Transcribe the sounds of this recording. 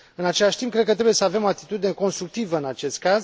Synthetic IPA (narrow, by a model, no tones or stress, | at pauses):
ɨnat͡ʃe̞laʃt̪imp̚kɾe̞d̪̚kət̪ɾebujesəave̞moat̪i̥t̪ud̪ine̞ko̞nst̪ɾuk̚t̪ivəɨnat͡ʃe̞st̪̚kaz